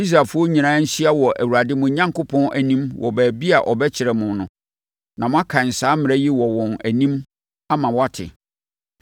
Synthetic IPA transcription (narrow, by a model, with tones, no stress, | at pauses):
i˦s̬ɾa˨fʊ˦ɔ˦ɲĩ˨nãː˦n̩˦si˦a˦wɔ˨ʔæ˨wu˨ɾa˨dɪ˦mʊ̃˨˦ɲã˦ŋkʊ˦pʰɔ̃˦nʔæ˨nĩ˦mwʔɔ̰˨bæː˨bi˦a˨ʔɔ˨bɛ˦t͡ɕʰɪ˨ɾɛ˨mʊ̃˨nʊ̰̃˨ | nã˨mʊ̃˦a˦kʰã˨n̩˨saː˦mɪ̃˨ɾɛ˦ji˦wɔ˨wɔ̃˨næ˨nĩ˦m | a˦mã˨wɔ˦a˦tʰɪ̰˨